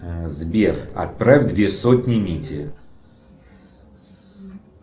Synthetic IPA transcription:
zbʲerxɐ̰t̪̚pɾavʲd̪vʲesotʲnʲɪmʲitʲɪ

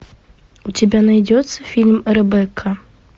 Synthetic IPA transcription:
ut͡sʲabʲanajd͡zʲɔt̪sːɐfʲilʲmɛɾɛbɛkʰɐ

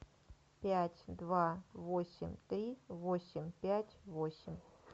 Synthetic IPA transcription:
pʲætʲd̪vavosʲɪ̰mʲt̪ɾʲivo̞sʲɪmʲpʲætʲvosʲɪmʲ

